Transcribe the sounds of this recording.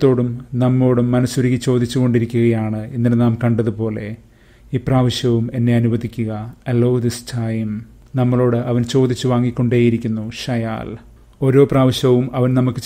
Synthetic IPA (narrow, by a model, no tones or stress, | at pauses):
t̪ːo̞ːɽumnɐmːo̞ːɽumːɐnɐsuɾiɣit͡ɕo̞ːd̪it͡ɕːuɣo̞ɳɖiɾikʲːuɣɐjaːɳɨinːinenaːmkɐɳɖɐðupo̞ːle̞ | iːpraːʋɐɕjɐʋume̞nːe̞ɐnuʋɐd̪ʱikʲːuɣɐɐlowðisʈʰaːjm | nɐmːɐɭo̞ːɽɨʔɐʋɐnt͡ɕo̞ːd̪it͡ɕːuʋaːŋːikʲːo̞ɳɖe̞ːjiɾikʲːunːuɕɐja̰ːl | o̞ːɾo̞ːpraːʋɐɕjɐʋumɐʋɐnnɐmukːɨ